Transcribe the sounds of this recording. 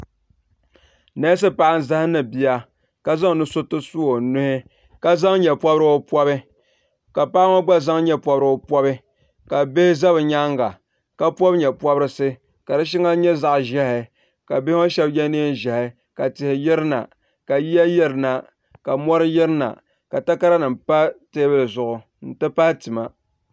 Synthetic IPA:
nɛ˦s̬ɨ˦pa˦a˦n˨za˦hɪ˦nɨ˨bi˨ja˦ | ka˦za˦ŋ˨nɨ˦sʊ˦tɨ˦su˦wo˨nʊ˦hɪ˦ | ka˦za˦ŋɲɛ˨pɔ˦bɾɨ˦o˦pɔ˦bɨ˦ | ka˨pa˦ŋo˦ɡ͡ba˦za˦ŋɲɛ˦pɔ˦bɾɨ˨o˦pɔ˦bɨ˦ | ka˨be˦hɪ˦za˦bɨ˨ɲa˦ŋɡa˨ | ka˦pɔ˦bɲɛ˨pwɔ˦bɾɨ˦sɨ˦ | ka˨dɨ˦ʃ̬i˦ŋa˦ɲɛ˦za˦ʔʒɛ˦hɪ˨ | ka˨be˦o˦ʃɛ˦bɲɛ˦ne˦n˨ʒɛ˨hɪ˨ | ka˨tɪ˨hɪ˨jɪ˦ɾɨ˦na̰˨ | ka˨ji˦ja˦jɛ˦ɾɨ˨na˨ | ka˨mɔ˦ɾɨ˦jɪ˦ɾɨ˦na̰˨ | ka˨ta˦ka˦ɾa˦nɨ˨mpa˦teː˦bɨ˦lɨ˨zʊ˨ʔʊ˨ | n̩˨tɨ˦pa˦htɨ˨ma˨

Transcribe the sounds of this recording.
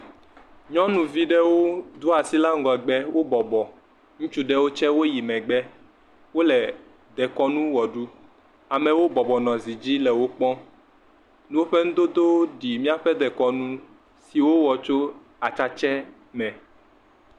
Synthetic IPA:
ɲɔ̃˦nũ˨vi˦ɖɛ˦wo˦d̪u˦a˨si˦la˦ŋ̩˦ɡɔ˨ɛ˨ɡ͡bɛ˦wo˦bɔ˨bɔ˨ | ŋũ˦t͡ʃu˦ɖɛ˦wo˦t͡ʃɛ˦wo˦ji˨mɛ̃˨ɡ͡bɛ˦ | wo˦lɛ˨ | d̪ɛ˨kɔ˦nũ˦wɔ˨ɖu˦ | a˨mɛ̃˨wo˦bɔ˨bɔ˨nɔ̃˨zi˨d͡ʑi˦lɛ˨wo˦k͡pɔ̃˦ | nũ˦wo˦ɸɛ˦ŋũ˦d̪o˦d̪o˦ɖi˨mĩ˦a˦ɸɛ˦d̪ɛ˨kɔ˨nũ˦ | si˨wo˦wɔ˨t͡ʃo˦ | a˨t͡ʃa˦t͡ʃɛ˦ | mɛ̃˨

